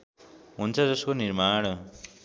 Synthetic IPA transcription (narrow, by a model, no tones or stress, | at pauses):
ɦunt͡sʰʌd͡zʌskonirmaɽ̃